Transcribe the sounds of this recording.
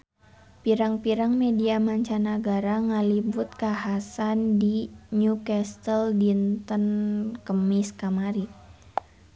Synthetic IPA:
piɾaŋpiɾaŋmediamaɲt͡ʃanaɡaɾaŋəlibʊt̪̚kaɦasandiɲukɛst̪əldint̪ənkəmiskamaɾi

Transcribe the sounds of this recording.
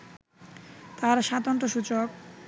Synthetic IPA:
t̪aɾʃat̪ont̪ɾoʃut͡ɕok̚

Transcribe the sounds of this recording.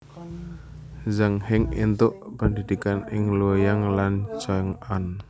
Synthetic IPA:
zaŋhɪŋḭnt̪ʊʔpəndidikanɪŋlojaŋlant͡ʃaŋan

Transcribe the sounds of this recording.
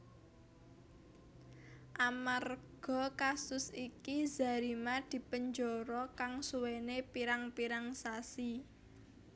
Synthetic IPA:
ʔamarɡ̥ɔ̤kasʊsikiza̤ɾimad̪̥i̤pəɲd͡ʒɔɾɔkaŋsuwenepiɾaŋpiɾaŋsasi

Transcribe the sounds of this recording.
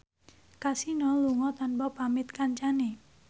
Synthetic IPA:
kasinɔluŋɔt̪anpɔpamɪt̪kaɲt͡ʃane

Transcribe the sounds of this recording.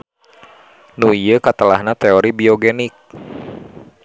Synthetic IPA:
nuijəkat̪əlahnat̪ɛoɾibioɡɛnik̚

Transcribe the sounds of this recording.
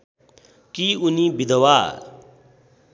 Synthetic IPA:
kiːuniːbid̪əwaː

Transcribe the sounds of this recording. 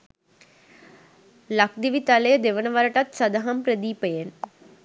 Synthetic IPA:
lɐk̚d̪iʋit̪aləjəd̪eʋənɐʋɐɾɐʈɐt̪sɐd̪ɐɦɐmpɾəd̪iːpəjen

